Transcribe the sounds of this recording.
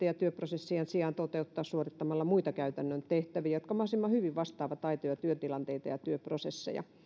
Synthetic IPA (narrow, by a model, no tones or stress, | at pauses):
ejɑt̪yøprosesːiɑnsiɑːnt̪ot̪eut̪ːɑːssuorit̪ːɑmɑlːɑmuit̪ɑkæyt̪ænːønt̪eht̪æʋiːjɑjot̪kɑmɑhsimːɑhyʋiʋʋɑst̪ɑːʋɑt̪ɑit̪ojɑt̪yøt̪ilɑnt̪eit̪ɑjɑt̪yøprosesːḛjɑ̰